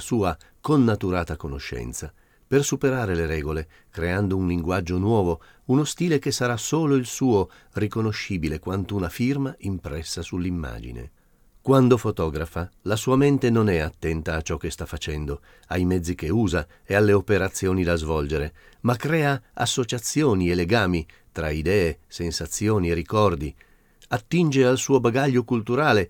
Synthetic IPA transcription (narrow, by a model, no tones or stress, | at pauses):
suːa | konːat̪uɾaːt̪akonoʃːɛ̰nt̪sa | persupeɾaːɾeleɾɛːɡole | kɾeand̪ounliŋɡwad͡ʒːonwɔːvo | unost̪iːlek̟esːaɾasoːloilsuːo | rikonoʃːiːbilekwant̪ounafirmaimpɾɛsːasulːimːa̰ːd͡ʒḭnḛ | kwand̪ofot̪ɔːɡɾafalasuːament̪enonɛat̪ːɛnt̪aːt͡ʃːɔk̟ːest̪afːat͡ʃɛnd̪o | ajmɛd̪zːik̟euːza | ealːeopeɾat̪sːjoːnid̪azvɔld͡ʒeɾe | makːɾɛːaasːot͡ʃat̪sːjoːnieleɡaːmi | t̪ɾaid̪ɛːesensat̪sːjoːnierikɔrd̪i | at̪ːind͡ʒealsuːobaɡaʎːokult̪uɾaːle